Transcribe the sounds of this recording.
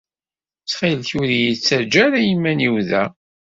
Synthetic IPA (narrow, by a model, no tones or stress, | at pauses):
t͡sχilθuðijit͡sːæd͡ʒæɾæjimːæniwðæ